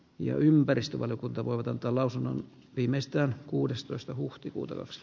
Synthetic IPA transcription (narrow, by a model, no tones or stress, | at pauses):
jɑ̰ympærist̪øʋɑlijokunt̪ɑʋoiʋɑt̪ɑnt̪ˑɑːlɑusunːo̰n | ʋiːmeist̪æːnkuːdest̪oist̪ɑhuht̪ikṵːt̪ɑ̰kɑ̰ks